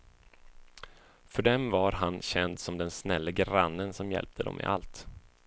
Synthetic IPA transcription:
fœɖɛmvaɾɦanɕɛnd̪sɔmd̪ɛnsnɛlːəɡɾanːənsɔmjɛ̰lp̚t̪ʰəd̪ɔ̰mʔɪ̰ʔa̰lt̪

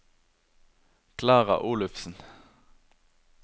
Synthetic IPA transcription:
kʰlɑːʁɑ̰ʔuːlʉfsn̩

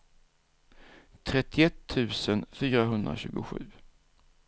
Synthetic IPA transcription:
t̪ʰɾɛt̪ːɪɛt̪ʰːʉ̟ːsənfyːɾaɦɵnd̪ɾa̰ɕʉ̟ːɡʊ̰ɧʉ̟ː

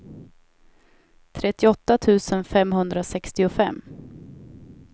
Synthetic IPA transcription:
t̪ʰɾɛt̪ːɪɔt̪ːat̪ʰʉ̟ːsənfɛmɦɵnd̪ɾasɛkst̪ɪʊfɛ̰mː

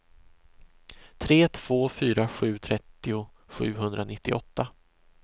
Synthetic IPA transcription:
t̪ʰɾeːt̪ʰv̥oːfyːɾaɧʉ̟ːt̪ʰɾɛt̪ːɪʊ | ɧʉ̟ːɦɵnd̪ɾʔanɪt̪ːɪʔɔt̪ːa

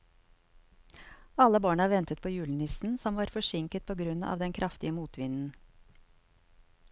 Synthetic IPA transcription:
ɑləbɑːɳəɑːʋɛnt̪ət̪̚pʰoːjʉːln̩ɪsn̩sɔmʋɑːɾfɔʃɪŋkət̪̚pʰoːɡɾʉnɑ̰ːʋd̪ɛnkʰɾʔɑft̪ɪəmuːt̪ʰʋɪnn̩

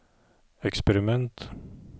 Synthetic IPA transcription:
ɛkspɛɾɪmɛnt̪

